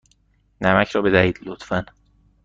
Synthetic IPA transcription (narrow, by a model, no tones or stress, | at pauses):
næmæcʰɾɒːbe̞d̪æhiːd̪lot̪fæn